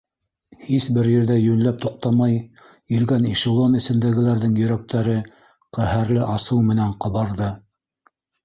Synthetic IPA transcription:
hisbɘɾjɘ̆ɾðæjɵnlæp̚t̪uq̚t̪ɑmɑj | ɵ̆lɡæniʃŏwlˠonɘ̆sɘ̆nd̪æɡɘ̆læɾðɘŋjɵ̆ɾæk̚t̪ʰæɾɘ | qæɦæɾlɘʔɑsɤwmɘ̆næɴqɑβɑɾðɤ

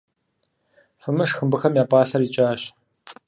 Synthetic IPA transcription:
fɨmɨʂxɨmbɨxɐmjaːpʼaːɬɐriːt͡ʃʼaːɕ

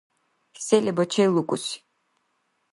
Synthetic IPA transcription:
sɛlɛbɔt͡ʃʰɛlukʼṵsi̥

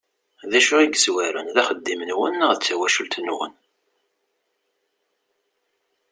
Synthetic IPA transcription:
ðæʃuʁiɡswæɾənðæχəd̪ːimənwə̰nːəʁt͡sːæwæʃəlt̪nʊʁə̰n

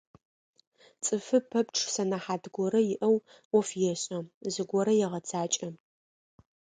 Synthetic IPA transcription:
t͡sʼɨfɨpʰɐp̚ʈ͡ʂʰsɐnaħaːdɡʷɔɾɐjɪʔɐw | wɔfjɛɕʼɐzɨɡʷɔɾɐjɛʁɐt͡sʰaːt͡ʃʼɐ

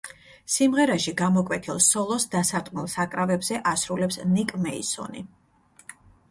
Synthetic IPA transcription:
simʁɛɾaʃiɡamɔkʼwɛt̪ʰilˠsɔlˠɔsd̪asaɾt̪ʼmɛlˠsakʼɾavɛbzɛʔasɾulɛpsnikʼmɛḭsɔ̰nḭ

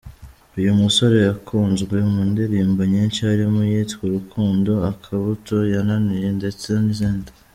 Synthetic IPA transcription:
ujumuso̞ɾe̞jakʰuːnzɡwe̞umuːndiɾiːmbaɲeːnʃaɾimujetkuɾukʰuːndo̞akʰaβuto̞jananije̞ndet͡sionizeːndḁ

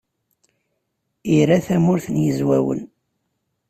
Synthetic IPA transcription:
iɾæθæmʊɾθənjəzwæwə̰n

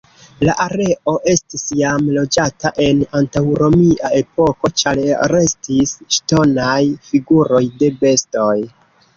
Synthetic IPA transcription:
laʔaɾe̞ʔo̞ʔe̞stisjamlo̞d͡ʒataʔe̞nantawɾo̞miʔae̞po̞ko̞t͡ʃalɾe̞stisʃto̞najfiɡuɾo̞jde̞be̞sto̞j

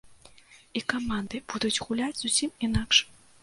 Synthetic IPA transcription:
ikamand̪ɨb̥ud̪ud͡zʲɣulʲad͡zʲzusʲiminakʂ

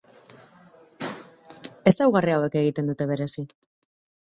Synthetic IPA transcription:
e̞sawɣariawe̞ke̞ɣ̞it̪e̞nd̪ut̪e̞βe̞ɾe̞si

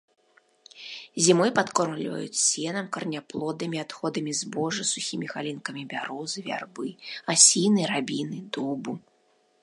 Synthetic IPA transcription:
zʲimɔjpat̪kɔrmlʲivɐ̰jṵt͡sʲːɛnɐmkɐrnʲaplˠɔd̪ɐmʲiat̪xɔd̪ɐmʲizbɔʐɨsuxʲimʲixalʲinkɐmʲibʲaɾɔzɨvʲa̰rbɨasʲinɨɾabʲinɨd̪ubu

